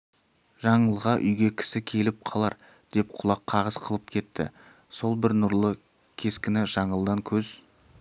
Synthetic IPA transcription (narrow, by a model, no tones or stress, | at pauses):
ʒɑɴəlˠʁɑʔʏjɡʲe̞kʲʰɪ̥sɪkʲʰe̞lɪp̚qʰɑlˠɑɾ | d̪̥e̞p̚qʰʊlˠɑqʰːɑʁəz̥qʰəlˠəp̚kʲʰe̞t̪ʰːɪ̰ | so̞lˠbɪɾnʊɾlˠə | kʲʰe̞skʲɪnɪʒɑɴəlˠd̪ɑŋkʲʰɵz̥